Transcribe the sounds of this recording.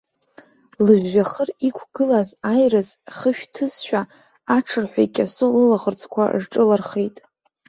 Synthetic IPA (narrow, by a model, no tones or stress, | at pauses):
lɨʒːaχərikʷʰɡɨlazajrɨzχəʃᶣtʰɨzʃᶣa | aʈ͡ʂʰɨrħʷᶣaikʲʼasolɨlaʁərt͡sʰʼkʷʰa̰ʐʈ͡ʂʼɨlarχejtʼ